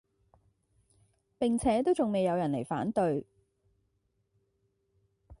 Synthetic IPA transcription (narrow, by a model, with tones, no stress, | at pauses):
pɪ˨ŋt͡sʰɛː˨˥t̪o˥wt͡sʊ˨ŋme˨jɐ˨˧wjɐ˨˩nle˨˩jfa̰ː˨˥nt̪ɵ˧ɥ